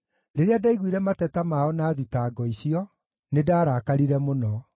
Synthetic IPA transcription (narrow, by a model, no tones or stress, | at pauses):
ɾeɾeadaiɣwiɾɛmatɛtamaɔnaːðitaːɡɔiɕiɔ | nedaːɾaːkaɾiɾɛmonɔ